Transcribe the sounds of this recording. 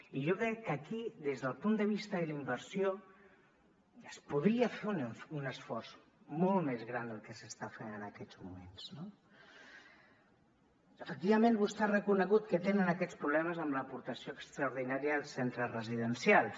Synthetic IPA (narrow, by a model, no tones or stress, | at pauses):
iʒokɾɛkːəkiðezðəlˠpund̪əβist̪əilimbəɾsio | əspuðɾiəfenunəsfɔrz | molˠmezɣɾand̪əlˠkəsəst̪afenənəkɛd͡zmumenz̥no | əfək̚t̪iβəmẽnβust̪ɛrəkunəɣut̪kət̪enənəkɛt͡spɾuβlɛməzəmləpuɾt̪əsioəkst̪ɾəuɾðinaɾijəlˠsɛnt̪ɾərəziðənsialˠ